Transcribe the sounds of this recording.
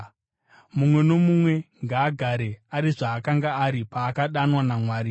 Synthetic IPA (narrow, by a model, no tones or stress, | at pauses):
mumwe̞no̞mumwe̞ŋɡaːɡʱaɾe̞aɾiʐaːkaŋɡaːɾipaːkaɗanwanamwaːɾi